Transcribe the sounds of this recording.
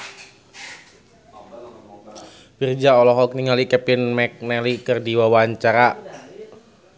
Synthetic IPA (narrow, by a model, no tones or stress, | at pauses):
bird͡ʒaɔlɔɦɔk̚niŋalikɛpinmɛk̚nɛlikɨrdiwawaɲt͡ʃaɾa